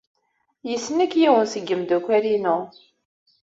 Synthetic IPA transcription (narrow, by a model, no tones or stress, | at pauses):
jəsːənækjiwənsəɡːəmd̪ukʷːæɾinʊ